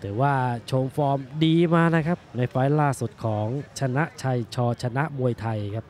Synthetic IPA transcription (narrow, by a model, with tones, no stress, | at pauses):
t̪ʰɯː˩˦waː˥˩t͡ɕʰoː˧mfɔː˧mdiː˧maː˧na˦˥kʰa˦˥ppna˧jfa˦˥jlaː˥˩su˨˩t̪̚kʰɔː˩˦ŋt͡ɕʰa˧na˦˥ʔt͡ɕʰa˧jt͡ɕʰɔː˧t͡ɕʰa˧na˦˥ʔmu˧əjt̪ʰa˧jkʰa˦˥p̚